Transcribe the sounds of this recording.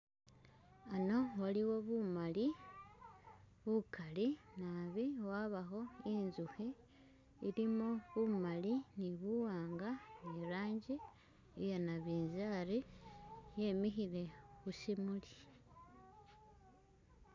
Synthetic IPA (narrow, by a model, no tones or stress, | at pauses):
ano̞waliwo̞βumali | βukalinaβiwaːβaxo̞inzuhi | iɾimo̞βumaliniβuwaːŋɡaniɾaːɲɟi | ijonaβiːnzaːɾi | je̞mixile̞xusimuli